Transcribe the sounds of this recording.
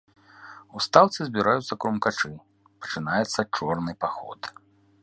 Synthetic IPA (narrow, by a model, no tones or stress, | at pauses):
ust̪awt̪sɨzʲbʲiɾajut̪sːɐkɾɔmkat͡ʂɨ | pɐ̥t͡ʂɨnajɛt̪sːɐt͡ʂɔrnɨpaxɔ̰t̪